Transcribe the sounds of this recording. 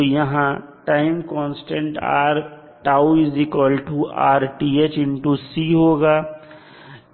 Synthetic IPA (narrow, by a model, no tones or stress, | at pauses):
jɐɦãʈaːɪmkɔ̃ːnsʈẽɳʈa̰ːɾ | ʈaːuɪzɪkʋəlʈuaːɾʈiːet͡ʃɪ̃ɳʈusiɦoːɡaː